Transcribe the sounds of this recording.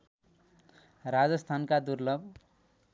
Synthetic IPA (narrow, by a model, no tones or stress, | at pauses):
rad͡zʌst̪ʰankad̪uɾlʌb